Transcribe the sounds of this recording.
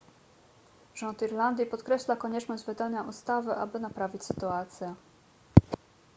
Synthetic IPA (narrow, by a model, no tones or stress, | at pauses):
ʐɔnt̪iɾland̪ʲjipɔt̪kɾɛɕlakɔɲɛt͡ʂnɔʑd͡ʑvɘd̪aɲaʔust̪avɘʔa̰bɘnapɾavʲit͡ɕʲsɘt̪uat̪sʲjɛ